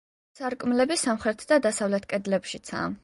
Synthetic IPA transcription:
saɾkʼmlɛbisamχɾɛt̪ʰd̪ad̪asavlɛt̪ʰkʼɛd̪lɛpʃit̪sʰa̰

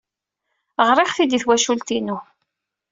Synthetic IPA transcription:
ʁɾˤɪχθid̪iθwæʃult̪inu

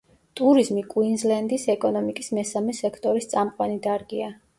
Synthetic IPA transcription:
t̪ʼuɾizmikʼwinzlɛnd̪isɛkʼɔnɔmikʼismɛsamɛsɛkʰt̪ʼɔɾist̪sʼamqʼwanid̪aɾɡia

